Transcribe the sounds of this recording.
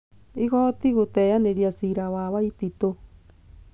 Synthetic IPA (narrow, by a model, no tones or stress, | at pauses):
iɣɔtiɣotɛjaneɾijasiɾawaβwaitito